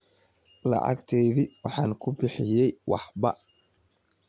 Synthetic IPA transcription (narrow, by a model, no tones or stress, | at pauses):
lɑ̰ʕɑ̰ɡt̪ʰɛjðiwɑħɑːnkʰʊbɪħɪjɛjwɑ̰ħbɐ̰